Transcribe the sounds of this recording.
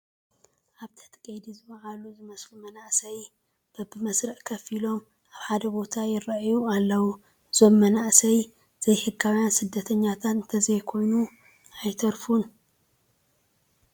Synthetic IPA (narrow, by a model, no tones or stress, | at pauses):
ʔaβt̪ʰɐ̥t̪ʼkʼɐjd̪izɨmɐʕaluzɨmɐsfumɐnaʔsɐj | b̥ɐbɨmɐsɾɐʔkʰɐfilo̞m | aβħad̪ɐbo̞t̪ʰajɪɾɐʔjualːɐwu | zomːɐnaʔsɐj | z̥ɐjhɨɡawjansɨd̪ːɐt̪ʰɐɲːat̪ʰat̪nt̪ʰɐzɐjkʰo̞jnu | ajt̪ʰɐɾfun